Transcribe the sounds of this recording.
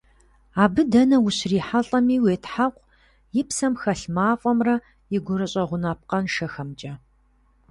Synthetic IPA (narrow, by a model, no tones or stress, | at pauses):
aːbɨdɐnɐwʊɕriːħaɬʼɐmiːweːtʰħaqʷ | jɪpsɐmxɐɬmaːfʼɔmrɐ | jɪɡʷʊɾɐɕʼɐʁʷʊnaːp̚qɐnʃɐxɐmt͡ʃʼɐ